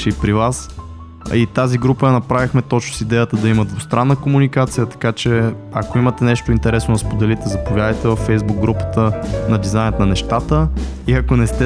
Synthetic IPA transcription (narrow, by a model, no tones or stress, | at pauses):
ʃɛipɾivas | it̪aziɡɾupəjɐnɐpɾavixmɛt̪ɔt͡ʃnosid̪ɛjət̪əd̪ɐiməd̪vost̪ɾanːəkomunikat̪sijət̪ɐ̥kat͡ʃɛ | ɐ̰koimət̪ɛnɛʃt̪oint̪ɛɾɛsnonɐspod̪ɛlit̪ɛzɐpovʲjad̪əjt̪ɛvɐfːɛjzbuɡ̚ɡːɾupə̥t̪ənɐd̪izaɪnt̪nɐnɛʃt̪at̪əiɐkonɛst̪ɛ